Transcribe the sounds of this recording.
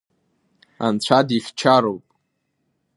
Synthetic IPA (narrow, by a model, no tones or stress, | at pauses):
a̰nt͡ɕʷʰadiχʲt͡ʃʰaɾowpʼ